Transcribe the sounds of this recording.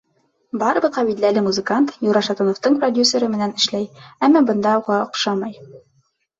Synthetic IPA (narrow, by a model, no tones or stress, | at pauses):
bɑɾɤ̆bɤqɑbid̪lælɘmuzɘ̆kant̪juɾɑʃɑt̪onŏft̪ɤɴprodʲjusʲəɾɤmɘ̆nænɘ̆ʃlæjæmːɑbɤ̆nd̪ɑuʁɑŏqʃɑmɑj